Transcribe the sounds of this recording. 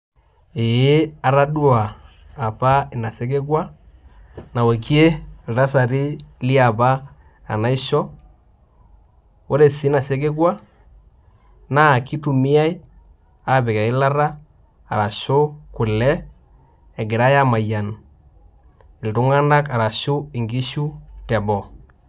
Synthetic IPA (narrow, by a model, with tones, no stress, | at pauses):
ɪ˨˦a˨ɾa˦du˦aː˨ | pa˦ɪ˨na˨se˦k̬ɪ˦ɡwa˦ | na˨wa˨ki˦e˦˨lta˦sa˨ɾi˦li˦a˨ba̰ː˦˨ | na˦i˦ʃɔ˦ | o˦ɾe˨sɪ˦na˨se˦kɪ˦ɡwa˦ | na˦˨ki˦tu˨mi˦a˦i˦ | a˨bɪ˨ka˨ɪ˦la˦ɾa˦ | a̰˨ɾa˨ʃo˦ku˨lɛː˦˨ | ɡɪ˨ɾa˦ja˦ma˨ja˨n | i˨ltu˦ŋa˦na˦ka˨ɾa˨ʃu˦i˨ŋɡi˦ʃu˦tɛ˨bɔ˨